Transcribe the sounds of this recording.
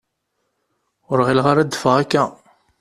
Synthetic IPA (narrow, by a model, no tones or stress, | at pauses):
ʊɾʁilʁaɾad̪fəʁækːæ